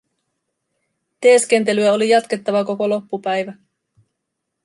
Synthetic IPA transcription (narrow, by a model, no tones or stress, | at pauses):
t̪eːske̞nt̪e̞lyæo̞lijɑt̪ke̞t̪ːɑʋɑko̞ko̞lo̞pːupæjʋæ